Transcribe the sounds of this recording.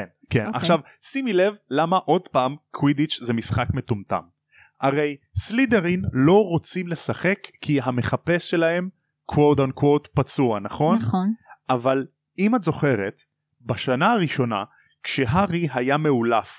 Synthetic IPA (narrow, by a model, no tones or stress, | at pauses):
kenkena̰χʃav | simile̞vlamaʔo̞dpaːmkʰwidit͡ʃzemisχakme̞tumta̰m | ʔaʁe̞jslideʁinlo̞ʁot͡simle̞saχe̞kːiɦame̞χape̞sʃe̞lahe̞m | kwodonkwowtpat͡suanaχo̞nʔaval | imatzo̞χe̞ʁet̪ | baʃanaaʁiʃo̞na̰ | kʃe̞ɦaʁiɦajame̞ulaf